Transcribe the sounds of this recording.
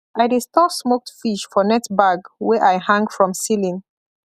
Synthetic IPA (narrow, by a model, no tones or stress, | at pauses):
ʔaɪdistɔsmok̚tfiʃfɔnɛtbaɡwɛʔajhãŋɡfɹɔ̃msilĩn